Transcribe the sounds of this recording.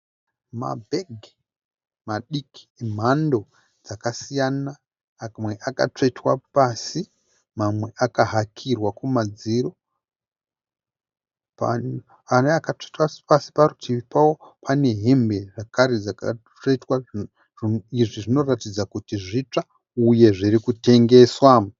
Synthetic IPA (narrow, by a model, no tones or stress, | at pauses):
ma̰bʱeɡʱ | maɗiki̥m̤ando̞ | d͡zakasijana | mweʔaka̰t͡ʂeitwapasi | mamwe̞ʔakaɦakʰirwakumad͡ziɾo̞ | pa̰ | aneakat͡ʂetwḁpasi̥paɾutʰiipawopʰane̞ɦe̞mbe̞ʐakaɾed͡zaka̰ | t͡ʂetwa | iʐiʐino̞ratid͡zakutiʐit͡ʂa | uje̞ʐiɾikute̞ŋɡe̞swam